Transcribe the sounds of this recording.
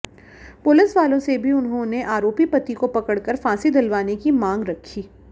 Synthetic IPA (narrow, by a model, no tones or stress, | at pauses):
pʊlɪsʋaːlõsebʱiʊnɦõneʔaːɾoːpipɐt̪ikopɐkəɽkəɾfãːsid̪ɐlʋaːnekimãːŋɡɾɐkʰːiː